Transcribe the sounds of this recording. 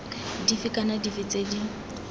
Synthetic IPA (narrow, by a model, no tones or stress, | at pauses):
difɪkʼanadifɪt͡sʼedi